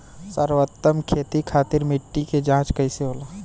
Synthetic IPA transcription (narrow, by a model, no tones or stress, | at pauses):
səɾwət̪ːəmkʰeːt̪ikʰaːt̪ɪɾmɪʈːiked͡ʒãːt͡ʃkəiseɦoːla